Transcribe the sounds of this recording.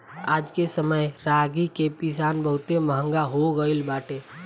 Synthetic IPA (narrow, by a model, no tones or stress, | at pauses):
aːd͡ʒkesəməjɾaːɡikepɪsaːnbəɦʊt̪eməɦə̃ŋɡaɦoɡəilbaːʈeː